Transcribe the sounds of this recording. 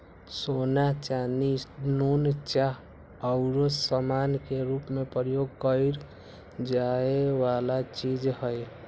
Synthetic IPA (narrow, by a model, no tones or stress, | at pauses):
sonat͡ʃaninunt͡ʃaɦ | əʊɾosəmankeɾupmepɾəjoɡ̚kəɪɾ | d͡ʒaewalat͡ʃid͡ʒhəj